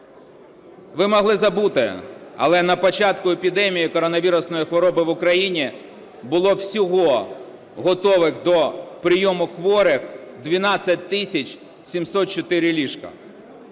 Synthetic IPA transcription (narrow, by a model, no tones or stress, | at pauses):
ʋɪmɔɦlˠɪzɐbut̪ɪɐ̰lˠɛnɐpɔt͡ʃɑt̪kʊepʲid̪ɛmʲijikɔɾɔnɐʋʲiɾʊsnɔjixʋɔɾɔbɪʋʊkɾɐjinʲi | bʊlˠɔwsʲɔɦɔ | ɦɔt̪ɔʋɪxd̪ɔpɾɪjɔmʊxʋɔɾɪxd̪ʋʲinɑt͡sʲːɐt̚ʲt̪ɪsʲɐt͡ʃ | sʲimsɔt̪̚t͡ʃɔt̪ɪɾʲɪlʲiʃkɐ̰